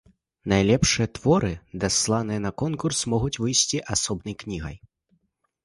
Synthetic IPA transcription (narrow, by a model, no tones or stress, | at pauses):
najlʲɛpʂɨjɐt̪vɔɾɨd̪aslˠanɨjɐnɐkɔnkursmɔɣut͡sʲvɨjsʲt͡sʲiʔasɔbnɐjknʲiɣɐ̰j